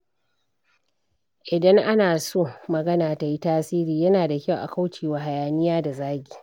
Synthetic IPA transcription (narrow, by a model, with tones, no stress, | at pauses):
ʔɪ˨dɐ˦ŋʔa˦naː˨soː˦mɐ˨ɡɐ˦naː˨ta˨ji˦taː˦siː˦ɾiː˨jɐ˦naː˨da˨kʲa˦˨wʔa̰˨ka˦wt͡ʃeː˨waː˨ɦa˨jaː˨nɪ˦jaː˦da˨zaː˦ɡʲiː˨